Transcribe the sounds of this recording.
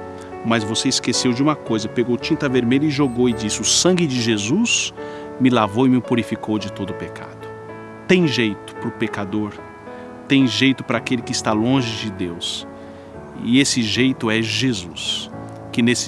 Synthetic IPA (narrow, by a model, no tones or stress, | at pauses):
mɐzvoseiskesewd͡ʒɪũmɐkojzɐpeɡowt͡ʃĩnt̪ɐveɾmeʎʊɪʒoɡowɪd͡ʒisɪʊsɐ̃ɡɪd͡ʒɪʒezus | mɪlavowɪmɪpuɾifikowd͡ʒɪt̪od̪ʊpekʰa̰d̪ʊ | t̪ẽj̃ʒejt̪ʊ̥pɾʊpekad̪oɾ | t̪ẽj̃ʒejt̪ʊpɾɐakelɪkɪst̪alõʒɪd͡ʒɪd̪ews | ɪ̰esɪʒejt̪ʊɛʒezus | kɪnesɪ